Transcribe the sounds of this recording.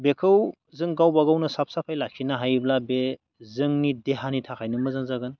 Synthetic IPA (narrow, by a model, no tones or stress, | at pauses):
bekʰɯw | zɯŋɡawbaɡawnɯsap̚sapʰajlakʰinaɦajblabe | zɯŋnideɦanitʰakʰajnɯmɯzanzaɡɯn